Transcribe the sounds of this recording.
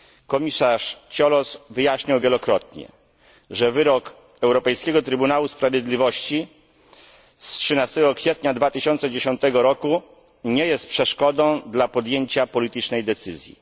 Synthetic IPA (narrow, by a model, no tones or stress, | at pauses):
kɔmʲisaʂt͡ɕɔlɔsvɘjaɕɲawvʲjelɔkɾɔt̪ɲɛ̰ | ʐɛvɘɾɔk | ɛwɾɔpɛjskʲɛɡɔt̪ɾɘbunawuspɾavʲjed̪lʲivɔɕt͡ɕi | stʂɘnast̪ɛɡɔkfʲjɛt̪ɲad̪vat̪ɘɕɔnt̪sɛd͡ʑeɕɔnt̪ɛɡɔɾɔku | ɲɛjɛst̪̚pʂɛʂkɔd̪ɔ̃w̃d̪lapɔd̪jeɲt͡ɕapɔlʲit̪ɘt͡ʂnɛjd̪ɛt̪sɘzʲjḭ